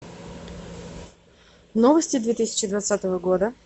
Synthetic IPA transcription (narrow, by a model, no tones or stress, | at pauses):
novəsʲtʲɪd̪vʲet̪ɨsʲɪ̥t͡ɕɪd̪vat̪sat̪əvəɡo̞d̪ə